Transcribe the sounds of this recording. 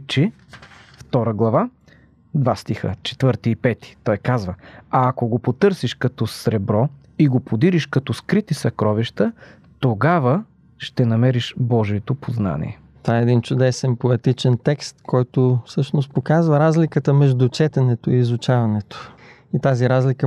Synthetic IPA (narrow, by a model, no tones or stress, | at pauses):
t͡ʃɛ | ft̪ɔɾəɡlˠɐva | d̪vast̪ixə̰t͡ʃɛ̥t̪vɤɾt̪iːpɛt̪i̥t̪ɔjkazvəɐːkoɡopot̪ɤɾsiʃkɐt̪ɔsɾɛbɾɔ | iɡopʰod̪iɾiʃkɐt̪ɔskɾit̪isɐkɾɔviʃt̪ə | t̪oɡavə | ʃt̪ɛnɐmɛɾiʃbɔʒiɛt̪opozna̰nḭɛ | t̪ovaɛːd̪int͡ʃʊd̪ɛsɛnpoɛt̪it͡ʃɛnt̪ɛkst̪kʰɔjt̪ʊfsɤʃnost̪̚pokazvɐɾazlikət̪əmɛʒd̪ut͡ʃɛt̪ɛnɛt̪ʊiːzʊt͡ʃavɐnɛt̪ʊ̥ | it̪aziɾazlikə